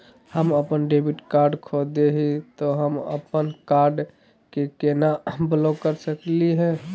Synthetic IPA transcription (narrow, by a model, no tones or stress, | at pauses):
həməpənɖebiʈkaɾɖkʰod̪eɦit̪ɔɦəmə̰pənkaɾɖ | kekenablokəɾsəkliɦɛ̃